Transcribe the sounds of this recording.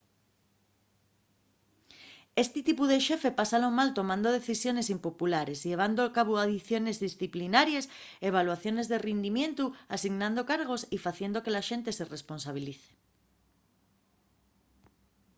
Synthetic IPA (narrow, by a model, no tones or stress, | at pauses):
est̪ɪt̪ipuðeʃefepasalomalt̪omãnd̪oð̞eθisjonesimpopulaɾezʎeβ̞and̪oakaβ̞oaðiθjonezðisθiplinaɾjaseβ̞alwaθjonezðerind̪imjẽnt̪uasiɣnãnd̪okaɾɣosifaθjend̪okelaʃent̪eseresponsaβ̞iliθe̥